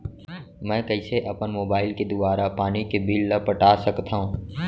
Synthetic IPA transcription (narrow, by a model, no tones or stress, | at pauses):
mɛ̃ːkɐɪseʔɐpənmoːbaːɪlked̪ʊbaːɾapaːnikebiːllɐpəʈaːsɐkt̪aɦũː